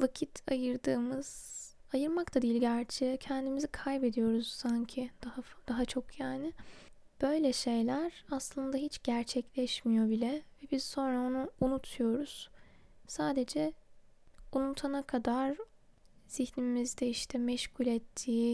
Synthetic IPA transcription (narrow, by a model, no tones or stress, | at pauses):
vacʰit̪ʰajɯɾd̪ɯːmɯz̥ | ajɯɾmakt̪ʰad̪ijlʲɟæɾt͡ʃʰɛcʰɛnd̪imizikʰajbe̞d̪ijo̞ɾuz̥saɲcʰid̪̥ahafd̪̥aɦat͡ʃʰo̞kjaːnɪ | b̥ø̞jlʲɛʃe̞jlʲæɾaslˠɯnd̪aɦit͡ʃɟ̥æɾt͡ʃʰɛclʲɛʃmijo̞bilʲɛvɛbizso̞nɾao̞nuːnut̪ʰujo̞ɾuz̥saːd̪e̞d͡ʒɛ | unut̪ʰanakʰad̪aɾ̥ | z̥içnimizd̪ɛiʃt̪ʰɛmɛʃculʲɛt̪ʰːiː